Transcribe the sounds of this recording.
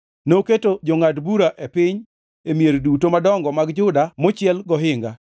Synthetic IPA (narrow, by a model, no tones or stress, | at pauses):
noketod͡ʒɔŋatbuɾaʔepɪɲ | emijeɾdutomadɔŋɡɔmaɡd͡ʒʊdamot͡ʃɪɛlɡɔɦɪŋɡa